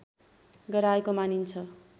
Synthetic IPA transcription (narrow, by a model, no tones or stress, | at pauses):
ɡʌɾaekomanint͡sʰʌ